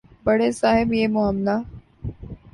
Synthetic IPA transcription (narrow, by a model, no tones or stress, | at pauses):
bɐɽesaːɦɪbjeːmʊɦəmnaː